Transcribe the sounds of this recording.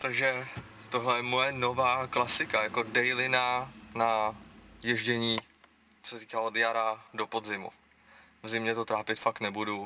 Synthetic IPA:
t̪aɡʒɛ | t̪oɦlɛjɛmojɛno̞vaːklasɪkajako̞dɛjlɪnana | jɛʒɟɛɲiː | t͡so̥sɛt̪iːkaːod̪jaɾado̞podzɪmṵ | vzɪmɲɛt̪o̞t̪ɾaːpɪt̪fakt̪nɛbudu

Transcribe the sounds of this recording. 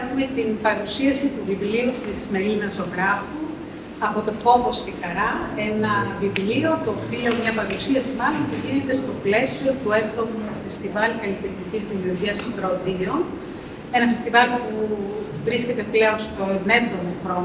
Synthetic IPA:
exume̞t̪inpɐɾusiɐsit̪uvivliut̪izme̞linɐso̞ɣɾɐfu | ɐpo̞t̪o̞fo̞vo̞sixɐɾɐe̞nɐvivlio̞t̪opt̪ieomɲɐpɐɾusiɐsimɐlonpuʝinet̪e̞st̪o̞ple̞sio̞t̪ue̞ft̪o̞mufe̞st̪ivɐlkɐlit̪eɾt̪icizðimiuɾʝiɐsdɾod̪io̞n | e̞nɐfe̞st̪ivɐlpuvɾisce̞t̪e̞ple̞o̞nst̪o̞ne̞vðo̞moxɾo̞n

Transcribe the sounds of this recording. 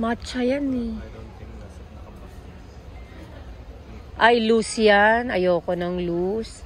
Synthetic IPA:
mat͡ʃɐjani | ʔɐjlusjanɐjoːkonɐŋlus

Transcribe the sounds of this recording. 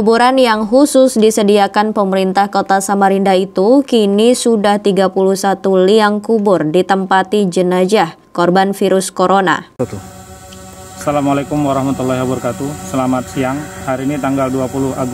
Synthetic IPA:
kubuɾanjaŋɦusʊsdisədiakanpəməɾint̪ahkot̪asamaɾindait̪ukinisudaht̪iɡapuluhsat̪uliaŋkubʊrdit̪əmpat̪id͡ʒənad͡ʒah | kɔrbanfiɾʊskoɾona̰ | salamalekumwaɾɔhmat̪ulːaɦjabərkat̪usəlamat̪̚siaŋhaɾiːnit̪aŋɡalduapulʊha̰ɡ

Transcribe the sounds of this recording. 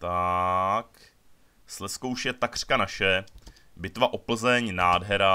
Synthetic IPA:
t̪a | k | slɛskowʃjɛt̪akr̥kanaʃɛ | bɪt̪vaʔopl̩zɛɲnaːdɦɛɾa

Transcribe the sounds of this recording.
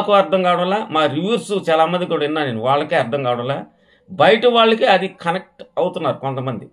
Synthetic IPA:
kuːɐɾd̪ʰʱɐŋkaːwɽɐlaːmaːɾiʋɐɾsut͡ʃaːlaːmɐnd̪ikuːɽɐinːaːneːnuʋaːɭːɐkeːɐɾd̪ʰʱɐŋkaːʋɽɐ̃laː | bɐjʈɐʋaːɭːɐkiɐd̪ikʰɐnɐk̚ʈɐwut̪unːaːɾukont̪ɐmɐnd̪i

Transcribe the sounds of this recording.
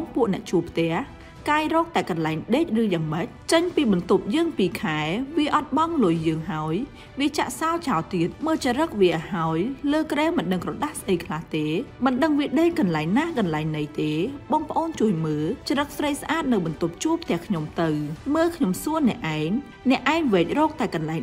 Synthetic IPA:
ŋpuəʔnɛ̆əʔt͡ɕuəpʰt̪ɛ̆əh | kaːjrɔːk̚t̪aɛkɑnlaɛŋɗeːc̚rɨːjaːŋməc̚t͡ɕəɲpiːɓɑnt̪up̚jəːŋpiːkʰaɛʋiəʔɑt̪̚ɓɑŋlʊjːəːŋɦaɔj | ʋiət͡ɕa̰ʔsaɔt͡ɕaɔlt̪iət̪̚məːlt͡ɕəɾək̚ʋiəʔahaɔjləːkrɛːmɨnɗəŋkrɑɗahsʔəjkʰlaht̪eːmɨnɗəŋʋiəɗeːc̚kɑnlaɛŋnahkɑnlaɛŋnɨjt̪eːɓɑːŋpə̆ʔoːnt͡ɕuəjməːt͡ɕaɾək̚srəjsʔaːt̪̚nɨwɓɑnt̪up̚t͡ɕuəp̚ʰt̪ɛ̆əhkʰɲomt̪ɨwməːlkʰɲomsuənɛ̆əʔaɛŋ | nɛ̆əʔːaɛŋʋɛːc̚rɔːk̚t̪aɛkɑnlaɛŋ

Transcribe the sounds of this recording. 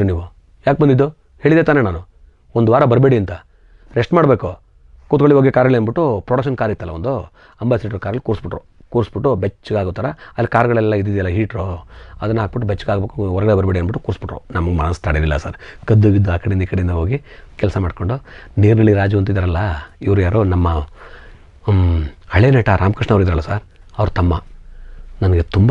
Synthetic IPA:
ɾniːʋu | jaːk̚bɐnd̪id̪ːu | he̞ːɭid̪et̪aːnenaːnu | ond̪uʋaːɾɐbɐɾbeːɽiɐnt̪ɐ | ɾeʂʈmaːɽbe̞ːku | kuːt̪koɭiɦoːɡekaːɾɐɭenbiʈːupɾoɽɐkʃɐnkaːɾit̪ːaːlːɐond̪u | ɐmbaːsiʈːɐɾkaːɾɐlikuːɾsbiʈɾu | kuːɾsbiʈːubet͡ʃːɡaːɡot̪aːɾɐɐlːikaːɾɡɐɭɛlːɐid̪id̪jɐlːɐɦiːʈɾoɐd̪ɐnːɐaːk̚biʈːubet͡ʃːuɡaːɡbeːkuɔɾɐɡɐɽebɐɾibeɽeɐnbiʈːukuːɾsbiʈɾṵnɐmɐɡmɐnɐst̪aːɽililːɐsaːɾkɐd̪ːoɡid̪ːuaːkɐɽejind̪iːkɐɽeind̪ɐɦoːɡikɛlɐsɐmaːɖkoɳɖuniːɾnɐɭːiɾaːd͡ʒuɐnt̪uid̪ɐɾɐlːɐiʋɾujaːɾonɐmːɐ | ɐɭenɐʈaɾʔaːmkiʂɳɐʋɾid̪ɾɐlːɐsaːɾɐʋɐɾut̪ɐmːɐ | nɐnɐɡet̪umb

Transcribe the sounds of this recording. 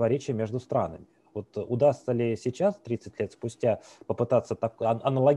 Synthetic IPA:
vɐɾʲet͡ɕɪjəmʲeʐd̪ʊst̪ɾa̰nəmʲɪ | vo̞t̪ʊd̪ast̪səlʲɪsʲɪt͡ɕast̪ɾʲit̪sɨtʲlʲet̪spʊsʲtʲapəpɨt̪at̪sːət̪ɐkɐnəlˠɐɡʲ

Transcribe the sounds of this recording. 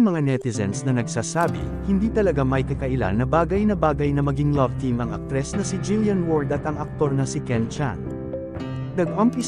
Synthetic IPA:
mɐŋanɛt̪ɪsɛ̰nsnɐnɐɡsaːsaːbɪ̰ | hɪnd̪iːt̪ɐlɐɡamɐjkɐkɐʔɪla̰nːɐbaːɡɐjnɐbaːɡɐjnɐmɐɡiŋlɐvt̪imɐŋɐ̰k̚t̪ɾɛsnɐsɪd͡ʒiljɐnwoɹd̪ɐt̪ɐŋɐk̚t̪o̞ɾnɐsɪkɛnt͡ʃa̰n | nɐɡʔompɪ

